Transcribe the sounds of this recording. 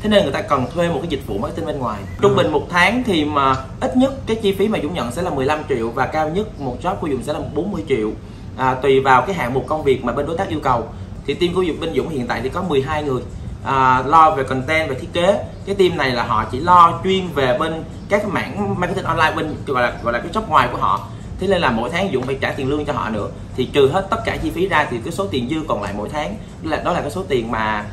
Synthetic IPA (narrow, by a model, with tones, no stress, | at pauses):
t̪ʰe˨˦ne˧nŋɨ˨˩t̪aː˧kə˨˩nt̪ʰwe˧m̚˨˩kaː˨˦jzi˨˩t̚vṵ˧˨m˨kːaː˦˥t̪i˧ŋɓe˧nŋwaː˨˩jt͡ɕʊ˧wŋ͡mɓï˨˩ŋ̟mo˨˩t̚t̪ʰaː˨˦ŋt̪ʰi˨˩maː˨˩ʔi˦˥t̚ɲə˦˥t̚kaː˨˦jt͡ɕi˧fi˨˦maː˨˩zʊ̰˧˥ŋ͡mɲə̰˧˨nsɛ̰˧˥laː˨˩mɨ˨˩əjla˧mt͡ɕḭ˧˨əwvaː˨˩kaː˧wɲə˦˥t̚mo˨˩t̚zɔ˦˥p̚ku˧˦zʊ̰˧˨ŋ͡msɛ˧˥laː˨˩mo˨˩ɓo˨˦nmɨ˧əjt͡ɕḭ˧˨əw | ʔaː˨˩t̪wi˨˩vaː˨˩wkaː˨˦jɦa̰ː˧˨ŋmo˨˩t̚kə˧wŋ͡mvi˨˩ək̚maː˨˩ɓe˧nɗo˨˦jt̪aː˦˥k̚ʔəwkə˨˩w | t̪ʰi˨˩t̪i˧mku˧˦zʊ̰˨ŋ͡mɓe˧nzʊ̰˧˥ŋ͡mhḭ˧˨ənt̪a̰ː˧˨jt̪ʰi˨˩kɔ˨˦mɨ˨˩əjɦaː˧jŋɨ˨˩əj | ʔəː˨˩lɔ˧ve˨˩kə˨˩nt̪ɛ˧nve˨˩t̪ʰi˦˥ət̚ke˨˦kaː˨˦jt̪i˧mna˨˩jlaː˨˩ɦɔ̰˧˨t͡ɕḭ˧˩lɔ˧t͡ɕwi˧ənve˨˩ɓe˧n | ka˦˥k̚ːjma̰ː˧˥˨nmaː˧kːt̪i˧ŋʔɔ˧nlaː˧jɓi˧ŋ̟ɣɔ̰˧˨laː˨˩ɣɔ̰˧˨laː˨˩kːaː˨˦jt͡ɕə˦˥wk͡p̚ŋwaː˨˩jku˧˩əɦɔ̰˧˨ | t̪ʰe˨˦le˧nlaː˨˩mo̰˧˥jt̪ʰaː˨˦ŋzʊ̰˧˨ŋ͡mfaː˧˩jt͡ɕaː˧˩t̪i˨˩ənlɨ˧əŋt͡ɕɔ˧ɦɔ̰˧˨nɨ̰˧˥ə | t̪ʰi˨˩t͡ɕɨ˨˩ɦe˦˥t̚t̪ə˦˥t̚kaː˧˩t͡ɕi˧fi˨˦zaː˧t̪ʰi˨˩kaː˨˦jso˨˦t̪i˨˩nzɨ˧kɔ˨˩nla̰ː˧˨jmo̰˧˥jt̪ʰaː˨˦ŋ | a˨˩ɗɔ˨˦laː˨˩kaː˨˦so˨˦t̪i˨˩ənmaː˨˩